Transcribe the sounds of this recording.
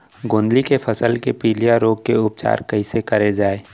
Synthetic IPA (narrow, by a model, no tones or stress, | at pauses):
ɡõːnd̪likefʰɐsəlkepiːlijaɾoːɡ̚keʊp̚t͡ʃa̰ːɾkɐɦisekɐɾed͡ʒaːeː